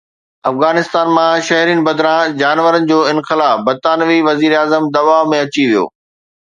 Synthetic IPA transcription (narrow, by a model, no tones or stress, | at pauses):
ɐfɣaːnɪst̪aːnmãʃɐɦɾiːnɪ̆bɐd̪ɾãːd͡ʑaːnʋəɾənɪ̆d͡ʑoːɪ̃nxɪlaːfbɐt̪aːnʋiʋɐziːɾaːzəmd̪ɐʋaːɦmẽɐt͡ɕiʋijo̰ː